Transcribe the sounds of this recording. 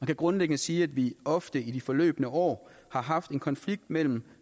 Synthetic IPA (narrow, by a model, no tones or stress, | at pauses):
mænkʰæɡ̥ʁɔ̽nleɡ̥ənəsiːæd̥ʋiɒ̽fd̥əid̥ifɒlø̰ːb̥ənəʔɒ̰ː | hɑ̈ɦɑ̈fd̥e̝nkʰɒ̽nfliɡ̥̚d̥mel̰m̩